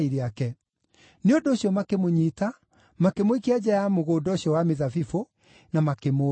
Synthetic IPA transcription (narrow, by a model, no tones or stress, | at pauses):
iɾeakɛ | neondoːɕiɔmakemoɲiːta | makemoikead͡ʑajamoɣoːdɔɕiɔwameðafifo | namakemo